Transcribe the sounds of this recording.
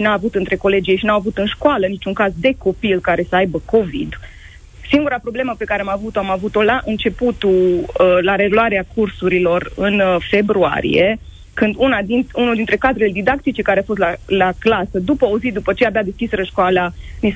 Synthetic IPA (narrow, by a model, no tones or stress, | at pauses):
inaːvut̪ɨnt̪ɾe̞ko̞le̞d͡ʒiejʃinawavut̪ɨnʃkoalənit͡ʃuŋkazd̪e̞ko̞pilkaɾe̞səajbəko̞vḭd̪ | siŋɡuɾapɾo̞ble̞məpe̞kaɾeamavut̪oamavut̪o̞laʔɨnt͡ʃe̞put̪ulaɾe̞luaɾeakursuɾilo̞rɨnfe̞bɾua̰ɾḭje̞ | kɨnd̪unad̪inunuld̪int̪ɾe̞kad̪ɾe̞le̞d̪id̪ak̚t̪it͡ʃe̞kaɾeafo̞st̪lalaklasəd̪upəozid̪upət͡ʃe̞abead̪eskʲisɾəʃkoalanis